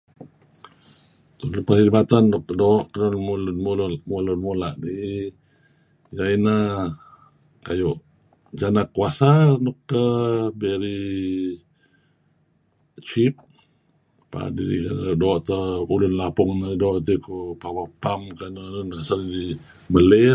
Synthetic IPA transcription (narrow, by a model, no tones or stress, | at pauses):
t̪upəɾhibat̪anːɔkːdɔʔkənɔmlnmlmulunmulaʔni | jaina | kajoʔ | d͡ʒanakuasanɔkːəbeɾi | t͡ʃip̚ | pa̰diɾḭkandɔʔt̪əulʊnlapʊŋnədɔʔt̪̬ikupawapamkanənnasandi | bəle